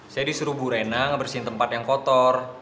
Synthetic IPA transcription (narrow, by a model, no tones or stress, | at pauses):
sajadisuɾubuɾenaŋbərsiɪnt̪əmpat̪jaŋkɔt̪ɔr